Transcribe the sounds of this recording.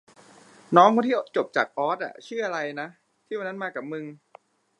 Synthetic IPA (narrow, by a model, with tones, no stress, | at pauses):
nɔː˦˥ŋkʰuː˧nʰiː˥˩ʔt̪̚t͡ɕo˨˩p̚t͡ɕa̰ː˨˩k̚ʔɔː˦˥t̪̚ʔa̰˨˩t͡ɕʰɯ˥˩ɐʔa˧ɾa˧jna˦˥ | t̪ʰiː˥˩wa˧nːa˦˥˩maː˧˩kːa˨˩p̚mɯ˧ŋ